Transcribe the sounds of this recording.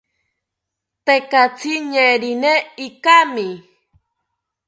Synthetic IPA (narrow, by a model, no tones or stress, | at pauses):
t̪ekat͡sʰiɲẽɾineikami